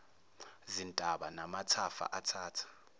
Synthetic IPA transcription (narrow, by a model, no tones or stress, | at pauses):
zintʼaɓanamatʰafa̰ʔatʰaːtʰḁ